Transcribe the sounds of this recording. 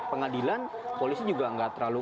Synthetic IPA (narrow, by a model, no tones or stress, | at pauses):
pəŋadilan | polisid͡ʒuɡaəŋɡat̪ərɾlalu